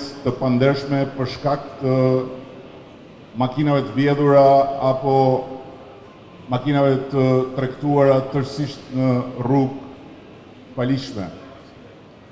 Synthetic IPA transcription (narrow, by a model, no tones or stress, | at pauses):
st̪əpand̪ɛɾʃmɛpəɾʃkak̚t̪ə | makinavɛt̪əvjɛðuɾaapɔ | makinavɛt̪ət̪ɾɛkt̪uaɾat̪əɾsiʃt̪nəruɡ | paliʃmɛ̰